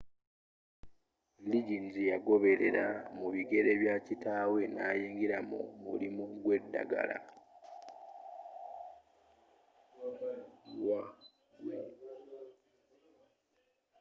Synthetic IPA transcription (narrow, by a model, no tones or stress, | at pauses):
liɟinzijaɡo̞βe̞ɾe̞̰ɾamuβiɡe̞ɾe̞βjaːcitaːwe̞naːjiːŋɡiɾamo̰mṵlimuɡwe̞dːa̰ɡa̰la̰ | wa